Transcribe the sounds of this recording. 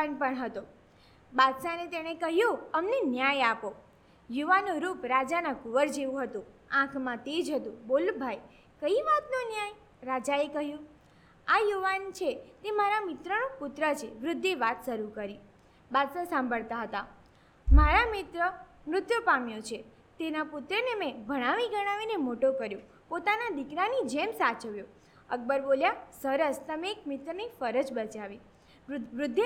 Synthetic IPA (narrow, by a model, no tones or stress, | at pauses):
anpəɳɦət̪o | bad̪sanet̪eɽ̃ekəɦjoəmnenjajapo | juʋanũɾupɾad͡ʒanakʊʋəɾd͡ʒeʋũɦət̪ũãkʰmãt̪ed͡ʒɦət̪ũbolbʱaj | kəiʋat̪nonjaj | ɾad͡ʒaekəɦjũ | ajuʋant͡ʃʰet̪emaɾamɪt̪ɾənopʊt̪ɾət͡ʃʰeʋɾʊd̪ʱːeʋat̪ʃəɾukəɾi | bad̪səsãmbʱəɭt̪aɦət̪a | maɾamɪt̪ɾə | mɾʊt̪jopamjot͡ʃʰe | t̪enapʊt̪ɾənemẽbʱəɽ̃aʋiɡəɽ̃aʋinemoʈokəɾjũ | pot̪anad̪ikɾanid͡ʒemsat͡ʃəʋjõ | ək̚bəɾboljasəɾəst̪əmeːk̚mɪt̪ɾənifəɾəd͡ʒbət͡ʃaʋi | ɾʊd̪ʱː